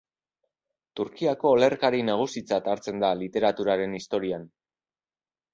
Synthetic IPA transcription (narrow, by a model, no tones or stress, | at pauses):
t̪uɾkiako̞ːle̞rkaɾinaɣ̞usit͡sat̪aɾt͡se̞nd̪alit̪e̞ɾat̪uɾaɾe̞nist̪o̞ɾian